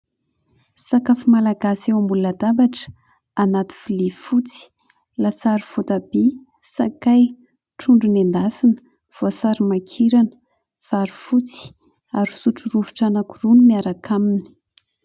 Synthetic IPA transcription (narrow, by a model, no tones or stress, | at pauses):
sakafimalaɡasewambulad̪abaʈ͡ʂə̥ | anat̪i̥filifut͡si̥ | lasaɾifut̪abe | sakaj | ʈ͡ʂuɳɖ͡ʐunend̪asinə̥ | v̥osaɾimakʰiɾanə | v̥aɾifut͡si̥ | aɾi̥suʈ͡ʂuruvuʈ͡ʂanakurunumiaɾakʰamini̥